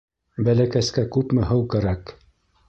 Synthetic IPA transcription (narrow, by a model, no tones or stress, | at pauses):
bælækæskækʉpmɘɦɤwkæɾæk